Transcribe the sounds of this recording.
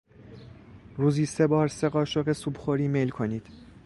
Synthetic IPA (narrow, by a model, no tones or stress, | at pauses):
ɾuːziːse̞bɒːɾse̞ɢɒːʃoɣesuːbχoɾiːmelkʰo̞niːd̪̥